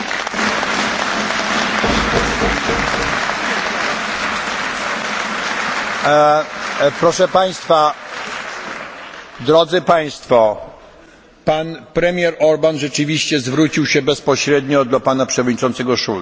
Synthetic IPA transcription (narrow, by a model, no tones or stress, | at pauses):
pɾɔʂɛpaj̃st̪fa | d̪ɾɔd̪zɘpaj̃st̪fɔ | panpɾɛmʲjɛɾɔɾbanʐɛt͡ʂɘvʲiɕt͡ɕɛzvɾut͡ɕiwɕɛbɛspɔɕɾɛd̪ɲɔd̪lapanapʂɛvɔd̪̚ɲit͡ʂɔnt̪sɛɡɔʂul